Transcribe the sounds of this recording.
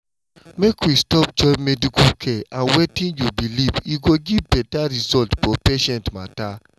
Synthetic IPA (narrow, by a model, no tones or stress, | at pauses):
mekwistɔp̚d͡ʒɔmɛdikukʰɛãnwetĩnjubiliviɡoɡivbɛtaɹisɔltfɔpeʃɛ̃ntma̰ta